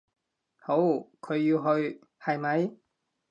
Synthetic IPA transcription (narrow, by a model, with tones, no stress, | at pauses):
ho˨˥wkʰɵ˨˧ɥːi˧wɦɵ˧ɥ | hɐ˨jmɐ˨˥j